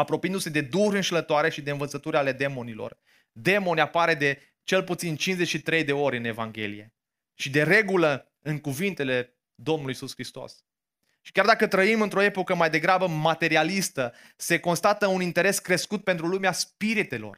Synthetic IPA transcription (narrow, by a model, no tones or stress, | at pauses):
apɾo̞piɨnd̪use̞d̪e̞d̪uɾɨnʃlət̪oaɾe̞ʃid̪e̞ɨnvət̪sət̪uɾʲale̞d̪e̞mo̞nilo̞̰r | d̪e̞mo̞nʲapaɾe̞d̪e̞ | t͡ʃe̞lput̪sint͡ʃinzet͡ʃʲʃit̪ɾe̞jd̪e̞o̞ɾʲɨne̞vaŋɡʲe̞̰lḭje̞̰ | ʃid̪e̞ɾe̞ɡulə | ɨŋkuvint̪e̞le̞ | d̪o̞mnulujisuskɾist̪o̞̰s | ʃi̥kʲard̪akət̪ɾəimɨnt̪ɾo̞e̞po̞kəmajd̪e̞ɡɾabəmat̪e̞ɾialist̪ə | se̞ko̞nst̪at̪əunint̪e̞ɾe̞skɾe̞skut̪̚pent̪ɾulumeaspiɾit̪e̞lo̞̰r